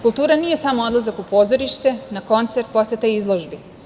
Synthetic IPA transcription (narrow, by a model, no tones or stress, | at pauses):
kulˠt̪uːɾanije̞samoo̞d̪lˠazakupo̞ːzo̞ɾiʃt̪e̞nako̞nt̪se̞ɾt̪̚po̞slʲet̪ejizlˠo̞ʒbi